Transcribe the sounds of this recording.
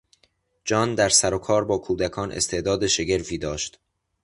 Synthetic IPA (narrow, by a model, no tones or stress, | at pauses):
d͡ʒɒːnd̪æɾsæɾokʰɒːɾbɒːkʰuːd̪ækʰɒːnʔḛst̪ʰe̞ʔd̪ɒːd̪eʃe̞ɟe̞ɾfiːd̪ɒːʃt̪